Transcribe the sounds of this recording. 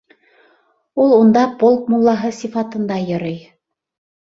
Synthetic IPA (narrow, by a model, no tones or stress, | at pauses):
ulˠund̪ɑpolˠk̚mulˠːɑɦɤsifɑt̪ɤ̆nd̪ɑjɤ̆ɾɤj